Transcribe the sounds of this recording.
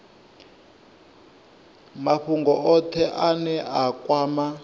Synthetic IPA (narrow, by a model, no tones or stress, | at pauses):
maɸuŋɡɔɔt̪ʰɛʔanɛakwaːma